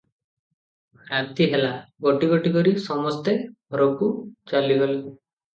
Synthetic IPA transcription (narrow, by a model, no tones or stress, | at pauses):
ɾat̪iɦelaɡoʈiɡoʈikɔɾisɔmɔst̪eɾɔkut͡ʃaliɦole